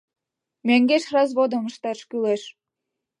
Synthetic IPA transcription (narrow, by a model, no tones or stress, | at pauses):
mæŋɡeʃrɑzβod̪ə̆məʃt̪ɑʃkyleʃ